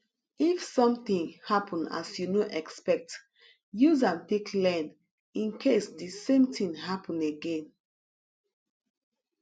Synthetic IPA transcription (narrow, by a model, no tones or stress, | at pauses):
ifsɔ̃mtĩŋhapʰɔ̃na̰sjunoʔɛkspɛk̚t | juzãmtekʰlɛ̃n | ĩnkʰesdisẽmtĩŋɦapʰɔ̃neɡẽn